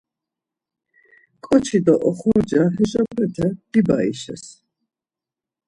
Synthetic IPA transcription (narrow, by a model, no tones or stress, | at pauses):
kʼɔt͡ʃʰid̪ɔʔɔχɔɾd͡ʒaɦɛʒabɛt̪ʰɛd̪̥ibaḭʃɛ̰s